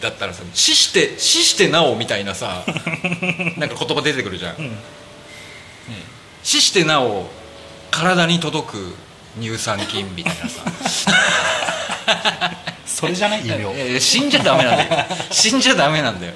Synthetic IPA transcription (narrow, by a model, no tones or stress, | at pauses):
d̪̥at̪ːaɾasanɕiɕi̥t̪e̞ɕiɕi̥t̪e̞naomʲit̪ainasa | nãŋkḁkot̪o̞bad̪e̞t̪e̞kɯɾɯ̟ʑã̰ | e | ɕiɕi̥t̪e̞nao | kaɾad̪aɲ̟it̪o̞d̪o̞kɯ̟̰ | ɲ̟ɨːsãŋkʲĩmːʲit̪ainasa̰ | soɾeanaɕĩɲ̟d͡ʑad̪ame̞nãd̪jɕĩɲ̟d͡ʑad̪ame̞nãnd̪ajo